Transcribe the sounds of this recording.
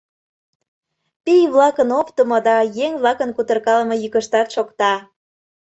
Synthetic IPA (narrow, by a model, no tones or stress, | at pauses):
pijβlɑkənopt̪əmod̪ɑjeŋβlɑkənkut̪ərkɑlə̆mɤjykəʃt̪ɑt̪ʃokt̪ɑ